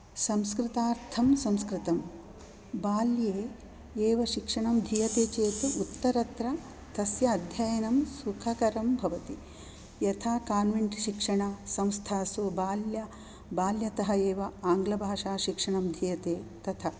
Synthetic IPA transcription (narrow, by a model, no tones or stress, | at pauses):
sɐmskɾɪt̪aːɾt̪ʰɐmsɐmskɾɪt̪ɐm | baːljeː | eːʋɐʃikʂɐɳɐmd̪ʱijɐt̪eːt͡ʃeːt̪uut̪ːɐɾɐt̪ɾɐ | t̪ɐsjɐːd̪ʱjajɐnɐmsukʰɐkɐɾɐmbʱɐʋɐt̪i | jɐt̪ʰaːkaːnʋiɳʈʃikʂɐɳɐsɐ̃mst̪ʰaːsubaːljɐ | baːljɐt̪ɐɦɐeːʋɐaːŋɡlɐbʱaːʂaːʃikʂɐɳɐmd̪ʱijɐt̪eːt̪ɐt̪ʰɐ